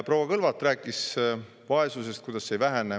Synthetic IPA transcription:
prowɑkɤlvɑt̪ːˑræːkːˑis | vɑe̞suse̞st̪̚kujd̪̥ɑsːejvæɦæne

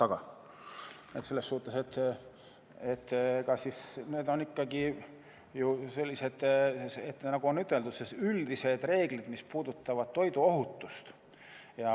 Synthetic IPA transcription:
t̪ɑɡ̥ɑ | nḛt̪se̞lːesːuːt̪ːˑeset̪ː | et̪ːkɑsisne̞ːd̪o̞nikːɑɡi | juse̞lʲːiset̪set̪ːnɑɡ̥uo̞nyt̪ˑːe̞ld̪ut̪sesyld̪ise̞d̪re̞ːɡ̥lid̪̥mispuːd̪ut̪ːɑvɑd̪̥t̪o̞jd̪uo̞ɦut̪ːust̪ | jɑ

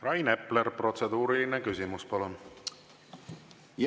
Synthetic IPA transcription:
rɑjne̞ple̞ɾpro̞t̪se̞d̪uːɾiline̞kysʲimuspɑlun | j

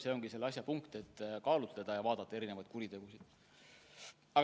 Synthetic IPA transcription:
se̞ːo̞ŋɡise̞lːɑs̬ʲjɑpuŋkt̪e̞t̪ːkɑːlut̪led̪̥ɑjɑvɑːd̪̥ɑt̪ːɑe̞ɾinevɑjd̪̥̚kuɾit̪e̞ɡ̥usid̪̥ | ɑ

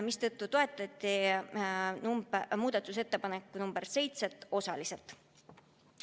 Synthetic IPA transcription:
mist̪ɤ̞t̪ˑːut̪o̞e̞t̪ˑːɑt̪ʲˑːi | numbmuːd̪̥ɑt̪ːˑuse̞t̪ːe̞pɑnekːˑunumb̥eɾse̞jt̪se̞t̪ːˑo̞sɑlise̞lt̪ˑ

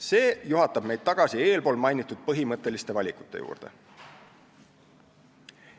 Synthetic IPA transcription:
se̞ːjuɦɑt̪ːˑɑb̥me̞jd̥̪̚t̪ɑɡ̥ɑsie̞ːlpoːlmɑjnit̪ːˑud̪̥̚pɤɦimɤt̪ːˑe̞list̪e̞vɑlʲiku̥t̪ˑːe̞jṵːrd̪̥e̞̰

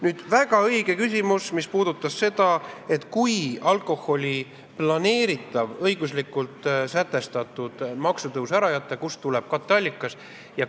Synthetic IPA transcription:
nyːd̪̥væɡ̥ɑɤjɡ̥e̞kysʲimusmispuːd̪̥ut̪ːˑɑsse̞d̪̥ɑe̞t̪ːˑkujɑlko̞ho̞lʲi | plɑne̞ːɾit̪ːˑɑvɤjɡ̥uslikːult̪sæt̪ːˑe̞st̪ɑt̪ːˑud̪̥mɑksut̪ɤwsæɾɑjæt̪ːˑekust̪ulɛb̥̚kɑt̪ːˑɑlʲːikːˑɑs | jɑ

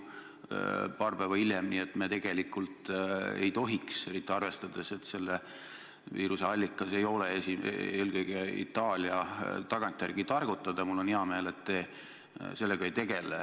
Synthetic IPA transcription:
pɑːrpævɑiljemniːet̪met̪e̞ɡ̥e̞likːult̪ḛjt̪o̞ɦikse̞ɾit̪ːˑiɑrve̞st̪ɑd̪̥e̞se̞t̪se̞lːe | viːɾuse̞ɑlʲːikːˑɑse̞jo̞leesḭeːlkɤjɡ̥e̞ḭt̪ːˑɑːlʲiɑt̪ɑɡ̥ɑnt̪ʲːˑjærɡ̥it̪ɑrɡ̥ut̪ːˑɑd̪̥ɑmulːo̞niɑme̞ːle̞t̪ːe | se̞lːeɡ̥ɑejt̪e̞ɡ̥e̞le

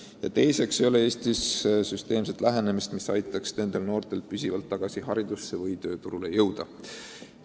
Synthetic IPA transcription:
jɑ̰t̪e̞jse̞ksejo̞le̞e̞ːst̪issyst̪e̞ːmset̪ˑlæɦe̞ne̞mist̪misɑjt̪ːˑɑksne̞nd̪̥e̞lno̞ːrt̪e̞lpysʲivɑlt̪ːɑɡ̥ɑsiɦɑɾid̪̥usːe̞vɤjt̪ø̞ːt̪uɾule̞jɤwd̪̥ɑ

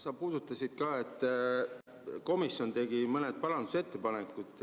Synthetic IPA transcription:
sɑpuːd̪̥ut̪ːˑɑsid̪̥̚kɑːe̞t̪ːˑ | ko̞misːjo̞nt̪e̞ɡ̥imɤned̪̥̚pɑlɑnd̪̥use̞t̪ːe̞pɑnekːˑud̪̥ˑ

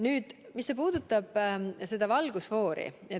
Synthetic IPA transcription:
nyːd̪̥ | misːe̞p̬uːd̪̥ut̪ːˑɑb̥se̞d̪̥ɑvɑlɡ̥usvo̞ːɾḭ | e

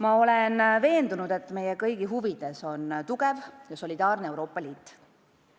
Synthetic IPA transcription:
mɑo̞le̞nve̞ːnd̪unud̪̥e̞t̪ːˑme̞jekɤjɡ̥iɦuvid̪̥e̞so̞nt̪uɡ̥e̞vjɑso̞lʲid̪̥ɑːrnee̞wɾo̞ːpːˑɑliːt̪ːˑ

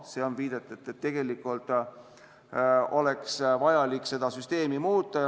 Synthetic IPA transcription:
seonviːd̪̥et̪ːˑud̪et̪ːe̞ɡ̥e̞likːˑult̪ˑ | o̞le̞ksvɑjɑlikːˑse̞d̪̥ɑsyst̪e̞ːmimuːt̪ːˑɑ

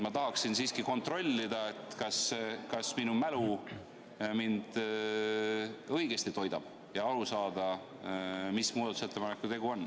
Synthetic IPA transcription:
mɑt̪ɑɦɑksinsiːskiko̞nt̪ro̞lʲːid̪̥ɑet̪ˑkɑskɑsminumælu | mind̪̥ | ɤ̞jɡ̥e̞st̪it̪o̞jd̪̥ɑ̰b̥ | jɑɑlusɑːd̪̥ɑ | mismuːd̪ɑt̪u̥set̪ːˑepɑnekːˑut̪e̞ɡuo̞nː

